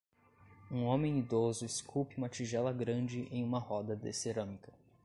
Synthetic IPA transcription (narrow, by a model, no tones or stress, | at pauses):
ũõmẽj̃id̪ozʊeskʰupɪũmɐt͡ʃiʒɛlɐɡɾɐ̃d͡ʒɪʔẽj̃ũmɐhɔd̪ɐd̪ḛseɾɐ̃mikɐ